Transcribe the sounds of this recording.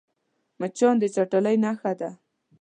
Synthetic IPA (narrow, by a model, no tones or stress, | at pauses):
mət͡ʃɑnd̪ət͡ʃaʈələjnaxad̪a